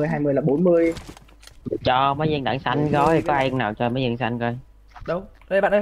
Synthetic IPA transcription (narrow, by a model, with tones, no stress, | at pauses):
əjɦaː˧jmɨ˧əjlaː˨˩ɓo˨˦nmɨ˧əj | t͡ɕɔ˧maə˨˦jzɨ˧əŋɗa̰˧˨˩ŋsa˧jŋ̟ɣɔ˨˦i˨˩kɔ˨˦ʔa˧ŋnaː˨˩wt͡ɕɔ˧məː˨˦jzi˧əŋsa˧jŋɣɔ˧˦j | ɗʊ˨˦ŋ͡mɗə˧˩ɓa̰ː˧˨nʔ